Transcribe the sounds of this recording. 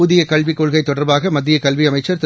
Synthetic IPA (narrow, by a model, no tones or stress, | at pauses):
uðɪjɐkɐɭʋikːoːɭɣɐɪt̪ːɔɽɐɾbaːɣɐmɐd̪ːɪjɐkɐɭʋiɐmɐɪt͡ʃːɐɾt̪